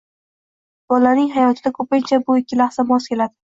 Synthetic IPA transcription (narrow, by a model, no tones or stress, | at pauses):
b̥ɒlanɪŋɦajɒt̪ʰɪd̪akʰɵpɪnt͡ʃʰabʊɪkʲʰːɪlaχsamɒskʲe̞lad̪ɪ